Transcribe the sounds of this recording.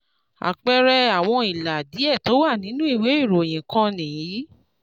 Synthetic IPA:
a̰˨k͡pɛ˧ɾɛ˧a˨w̃ɔ̃˧i˨la˨di˨˦ɛ˦˨to˨˦wa˦˨nĩ˨˦nũ˦i˦˨we˨˦i˦˨ɾo˨j̃ĩ˨kã˧nĩ˨jĩ˨˦

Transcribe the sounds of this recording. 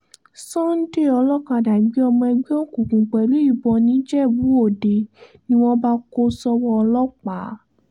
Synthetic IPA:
sɔ̃˦n̩˦de˦˨ɔ˧lɔ˦ka˧˨da˨ɡ͡bi˨˦ɔ˧mɔ̃˧ɛ˧ɡ͡bi˦o˦kũ˨kũ˨k͡pɛ˨lu˨˦i˦˨bɔ˧nĩ˨˦d͡ʒɛ˦˨wũ˨˦o˦˨de˨nĩ˦w̃ɔ̃˦ba˦ko˦sɔ˧wɔ˧ɔ˧lɔ˦k͡pa˨˦

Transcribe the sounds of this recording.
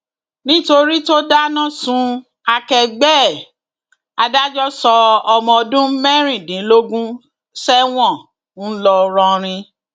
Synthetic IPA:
nĩ˦to˧ɾi˦to˦da˦nã˦sũ˧ | a˧kɛ˧ɡ͡bɛː˦˨ | a˧da˦d͡ʒɔ˦sɔ˧ɔ˧mɔ̃˧ɔ˧dũ˦mɛ˦ɾ̃ĩ˦˨dĩ˨˦lo˦ɡũ˦ | sɛ˦w̃ɔ̃˦˨ | n̩˦lɔ˧ɾɔ̃˧ɾ̃ĩ˧

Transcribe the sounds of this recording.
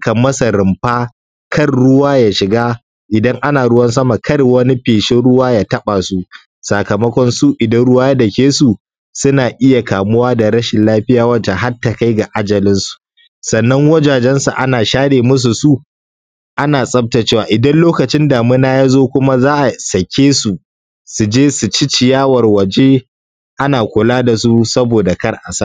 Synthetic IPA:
kɐ˨mɐ˦sa˨ɾɪ˨mɸaː˦ | kɐ˦rɽʊ˦waː˦jaː˨ʃɪ˨ɡaː˦ | ʔɪ˨dɐ˦ŋʔa˦naː˨ɽʊ˦wɐ˦ns̬ɐ˦ma˨kʰɐ˦rwɐ˦ni˦ɸeː˨ʃɪ˦ɽʊ˦waː˦jaː˨tɐ˦ɓa˨su˦ | saː˨kɐ˨mɐ˦kʷɔ˦nsu˦ʔɪ˨dɐ˦nɽʊ˦waː˦ja˦dɐ˨kʲeː˦su˨ | sʊ˦naː˨ʔɪ˦ja˨kaː˨mʊ˦waː˦da˨ɽɐ˦ʃɪ˨nlaː˦ɸɪ˦jaː˨wɐ˦nta˨ɦa˦tːa˨ka˦jɡa˨ʔa˦d͡ʒɐ˨lɪ˦nsu̥˨ | sɐ˨nːɐ˦ŋwɐ˦d͡ʒaː˨d͡ʒɛ˦nsa˨ʔa˦naː˨ʃaː˦ɽeː˨mʊ˦s̬u˨su˦ | ʔa˦naː˨sʼɐ˦b̚ta˨t͡ʃeː˦˨waː˨ʔɪ˨dɐ˦nloː˦kɐ˨t͡ʃɪ˦ndaː˨mʊ˦naː˦jaː˦zoː˦kʷʊ˦ma˦zaː˦ʔa˨sɐ˨kʲʰeː˦su˨ | su˨d͡ʒeː˦su˨t͡ʃɪ˦t͡ʃɪ˨jaː˦wɐ˨rwɐ˨d͡ʒe˦ | ʔa˦naː˨kʷʊ˨laː˦da˨su˦sɐ˦boː˨da˨kɐ˦rʔa˨sa˦ʔ

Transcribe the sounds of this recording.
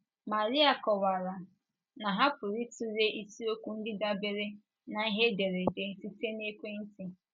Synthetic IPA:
ma˨ɾi˦a˨kɔ˨wa˨ɾa˨ | na˨ɦa˦pʊ˨ɾi˦tu˦ɾe˦ʔi˦si˦o˦kʷu˦n̩˦dɪ˦da˦be˦ɾe˦ | na˨i˦ɦe˦de˨ɾe˨te˦si˦te˦ne˦kʷe˦n̩˦ti˦

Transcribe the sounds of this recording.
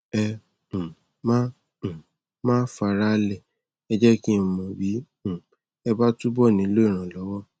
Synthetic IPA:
ɛ̃˧˨ | mã˦˨ | mãː˦fa˨˧ɾa˦˧lɛ˦˨ | ɛ˧d͡ʒɛ˦kĩ˦˧mɔ̃˨bĩ˨˦˨ | ɛ˧ba˦tu˦bɔ˦˨nĩ˨˦lo˦i˦˨ɾ̃ã˨lɔ˨˦wɔ˦

